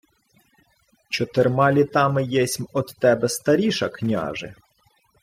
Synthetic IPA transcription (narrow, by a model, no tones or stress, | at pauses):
t͡ʃɔt̪ermɑlʲit̪ɑmɪjɛsʲmɔd̪ːɛbɛst̪ɐɾʲiʃɐknʲɑ̰ʒɪ̰